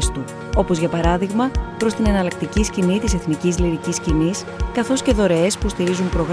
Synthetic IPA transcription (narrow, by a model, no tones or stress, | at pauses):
st̪u | o̞po̞zʝɐpɐɾɐðiɣmɐpɾo̞st̪ine̞nɐlɐk̚t̪iciscinit̪ise̞θnicizliɾiciscinis | kɐθo̞sce̞ðo̞ɾeespust̪iɾizumpɾo̞ɣ